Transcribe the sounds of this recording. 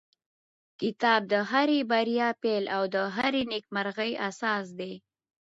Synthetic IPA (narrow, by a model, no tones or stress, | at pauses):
kɪt̪ɑb̚d̪əɦaɾebaɾijɑpelawd̪əɦaɾenek̚maɾɣəjasɑs̬d̪e